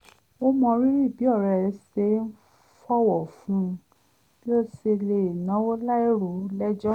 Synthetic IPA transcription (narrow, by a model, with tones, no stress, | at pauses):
o˦mɔ̃˧ɾi˦ɾi˦˨bi˨˦ɔ˦˨ɾɛ˧˨˧se˧˦n̩˦ | fɔ˦wɔ˨fũ˦˧ | i˦o˦se˧le˨nã˨˦wo˦la˦i˦ɾu˨˦lɛ˦d͡ʒɔ˦